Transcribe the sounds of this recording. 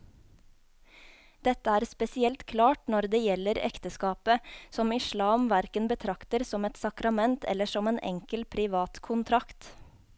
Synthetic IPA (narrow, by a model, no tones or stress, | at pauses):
d̪̥ɛt̪əæːɾspɛsɪɛlt̪kʰlɑːʈnɔɾd̪eːjɛlːəɾɛ̰kt̪əskɑːpəsɔmɪʃlɑːmʋæɾkənbət̪ʰɾɑkt̪əɾsɔmɛt̪sɑkɾɑmɛnt̪ʰɛ̰lːəʃɔmeːnʔɛ̰ŋkəlpʰɾɪʋɑːt̪kʰʊnt̪ʰɾɑkt̪